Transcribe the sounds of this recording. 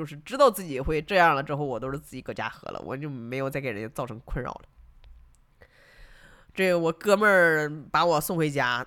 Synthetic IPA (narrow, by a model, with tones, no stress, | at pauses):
t͡ɕjo˥˧ʊʂɻ̩˥˧ʈ͡ʂɻ̩˥t̪ɑ˥˧ʊt͡sɹ̩˥˩t͡ɕi˨˩xwe˥˧ɪʈ͡ʂɤ˥˧jɑ˥˩ŋlə˩ʈ͡ʂɻ̩˥xo˥˩ʊwɔ˨˩t̪o˥ʊʂɻ̩˥˧t͡sɹ̩˥˩t͡ɕi˨˩kə˥˩t͡ɕja̰˥xɤ̰˧˥lə̰˧wʔɔ̰˨˩t͡ɕjo˥˩˧ʊme˧˥jo˨ʊt͡sa˥˩ɪkɻə˧˥t͡sɑ˥˩ʊʈ͡ʂʰɤ˧˥ŋkʰwə˥˧nɻɑ̰˥˩ʊlə˩ | ʈ͡ʂe˥˩ɡə˩wɔ˨˩kɤ˥mə˥˧˩pa˧˥wɔ˨˩sʊ˥˩ŋxwe˧˥ɪt͡ɕja˥